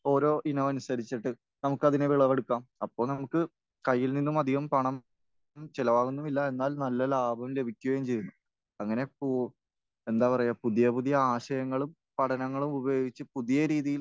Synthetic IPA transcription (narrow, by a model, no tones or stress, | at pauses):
o̞ːɾo̞ːʔinɐmɐnusɐɾit͡ɕːiʈːɨ | nɐmukːɐðineʋiɭɐʋeɽukːaːmɐpːo̞ːɭnɐmukːɨ | kɐjːilninːumɐd̪ʱiɣɐmpɐɳɐm | mt͡ɕelɐʋaːɣunːumilːɐe̞nːaːlnɐlːɐlaːbʱɐmle̞bʱikʲːuɣɐjumt͡ɕe̞jːunːu | ɐŋːɐne̞pu | e̞nd̪aːpɐrɐjaːpuðijɐpuðijɐaːɕɐjɐŋːɐɭum | pɐʈʰɐnɐŋːɐɭumubɐjo̞ːɡit͡ɕːɨpuðijɐɾiːðijil